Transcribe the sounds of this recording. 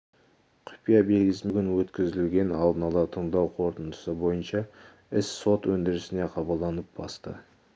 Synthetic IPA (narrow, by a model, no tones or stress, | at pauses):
qʲʰʊ̥pijabe̞lɡʲɪsɪmɡʲɪnwɵt̪kʲɪzɪlɡʲe̞nɑlˠd̪ənɑlˠɑt̪ʰəɴd̪ɑwqʰo̞ɾt̪ənd̪ə̥səbo̞jənʃɑ | ɪsːo̞t̪wɵnd̪ɪɾɪsɪne̞qʰɑbəlˠd̪ɑnəp̚bɑ̰st̪ə̰